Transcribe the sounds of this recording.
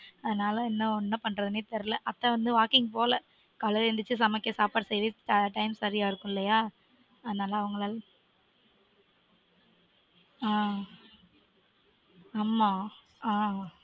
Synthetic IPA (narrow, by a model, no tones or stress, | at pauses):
ɐðɐnaːlɐ̃ɛnːɐɔnːɐpɐɳːɾɐðɯnit̪ːɐɾɯlɐʔɐt̪ːɐ̃ʋɐnd̪ɯʋaːkɪŋɡpoːlɐ | kɐlɐɾɛnd̪ɯt͡ʃːɯsɐmɐkːesaːpaːʈsɛjðiʈɐɪmsɐɾɪjaːɪɾɯkːʊ̃ɪlːɐjaː | ɐðɐnaːlɐɐʋɐŋɡɐɭaːl | aː | aːmaː | aː